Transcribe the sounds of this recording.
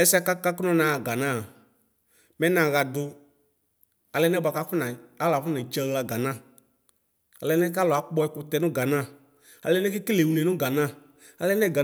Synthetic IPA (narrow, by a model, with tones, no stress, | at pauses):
ɛ˦sa˦ka˦ka˦knɔ˦nã˨ɡa˨nã˦˨ | mɛ˦nã˨ɣa˨dʊ˧ | a˨lɛ˦nɛ˦ba˨˧ka˦fʊ˦na˨a˦la˨fʊ˦na˨t͡ʃa˧ɣla˧ɡa˨nã˦˨ | a˨lɛ˧˦nɛ˦k̬a˦lɔ˨a˨˦k͡pɔ˧ɛ˦kʊ˧tɛ˨nʊ˦ɡa˨nã˦˨ | a̰˨lɛ˦nɛ˦kɪ˦kle˨wu˨le˨nʊ˦ɡa˨nã˦˨ | a˨lɛ˦nɛ˦˨ɡa˨